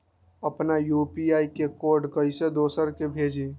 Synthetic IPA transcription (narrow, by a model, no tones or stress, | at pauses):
əpnajupiaikekoɾɖkəjsed̪osəɾkebʱed͡ʒi